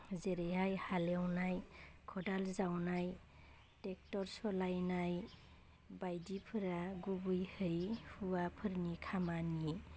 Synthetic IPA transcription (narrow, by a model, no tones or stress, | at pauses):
zeɾejɦajhalewnajkʰɔdalzawnaj | tek̚tɔɾsɔlajnaj | bajdipʰɯɾaɡubɯjhɯjhuwapʰɯɾnikʰamanije